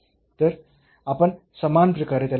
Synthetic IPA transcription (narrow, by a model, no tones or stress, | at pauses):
t̪əɾ | apəɳ | səmanpɾəkaɾet̪jal